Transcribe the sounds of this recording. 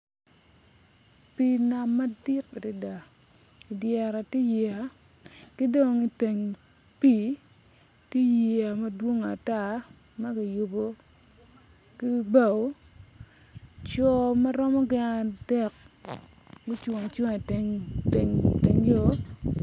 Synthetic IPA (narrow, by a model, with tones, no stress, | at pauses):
pi˨na˨ma˦dɪ˦ke˨di˦da˨i˨djɛ˨ɾa˨ti˦ji˨a˨ki˦do˨ŋi˨te˨ŋpi˦ | ti˦ji˨a˨ma˦dwo˦ŋa˨ta˦ | ma˦ki˨ju˨bo˦ | ki˦ba˦˨o˨˦ | t͡ʃɔ˨ma˦ɾɔ˦mɔ˦ɡɪ˦ŋa˨dɛ˦˨k̚ | ɡi˦t͡ʃwo˨ŋ˨t͡ʃo˦ŋ˨te˦ŋtḛ˨ŋte˨ŋjo˦